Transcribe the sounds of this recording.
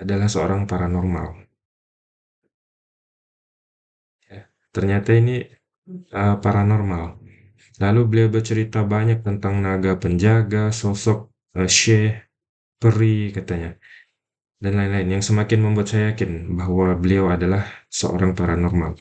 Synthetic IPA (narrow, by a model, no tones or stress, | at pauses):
adalahsəo̰ɾaŋpaɾanɔrma̰l | ja | t̪ərɲat̪aini | əpaɾanɔrmal | lalubəliawbərt͡ʃəɾit̪abaɲak̚t̪ənt̪aŋnaɡapəɲd͡ʒaɡasɔsɔk̚ | əʃɛh | pəɾikat̪aɲa | danlaɪnlaɪnjaŋsəmakɪnməmbuat̪̚sajakɪnbaɦwabəliawadalahsəo̰ɾaŋpaɾanɔrma̰l